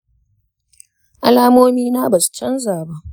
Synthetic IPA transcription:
ʔa˦laː˦moː˦miː˦naː˦ba˨su̥˨t͡ʃɐ˦nzaː˨ba˦ʔ

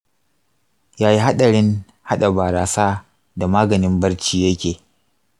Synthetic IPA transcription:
jaː˦ji˦ɦa˦ɗɐ˨ɽɪ˦ŋ | ha˦ɗa˨baː˨ɾaː˨saː˦ | da˨maː˦ɡɐ˨nɪ˦mbɐ˦rt͡ʃiː˦jɐ˦kʲeː˨

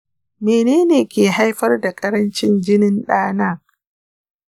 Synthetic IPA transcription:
meː˨neː˦neː˨kʲeː˨ɦa˦jɸɐ˦rda˨kʼɐ˦ɾɐ˦nt͡ʃɪ˦nd͡ʒɪ˦nɪ˦nɗaː˦naː˦

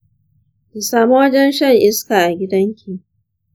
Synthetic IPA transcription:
de˨saː˨mu˦wɐ˦d͡ʒɛ˦nʃɐ˦ŋʔɪ˦skaː˨ʔa˨ɡʲɪ˦dɐ˦ŋkʲʰiː˨

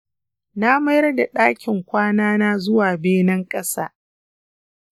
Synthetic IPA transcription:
na˦ma˦jɐ˦rda˨ɗaː˦kʲʰɪ˨ŋkʷaː˦naː˦naː˦zʊ˦waː˨beː˦nɐ˦ŋkʼɐ˦sa̰ː˦

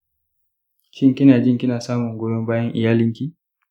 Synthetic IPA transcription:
ki˦ŋ˨ki˦na˨d͡ʒi˦ŋ˨ki˦na˨sa˦mɔ˨ŋ˨ɡɔ˨jɔ˦m˦ba˦ji˦ʔḭ˨ja˦li˦ŋ˦ki˦

